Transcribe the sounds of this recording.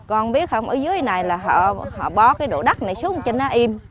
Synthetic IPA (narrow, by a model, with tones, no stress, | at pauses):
kɔ˧nɓi˦˥ət̚hə˧wŋ͡mʔə̰ː˧˩zɨ˨˦ə˦jna˨˩jlaː˨˩ɦɔ̰˧˨hɔ̰˧˨ɓɔ˨˦kaː˨˦jɗo̰˧˨ɗa˦˥t̚na˨˩jsu˨˦əŋ͡mt͡ɕe˧nʔaː˨˦ʔi˧m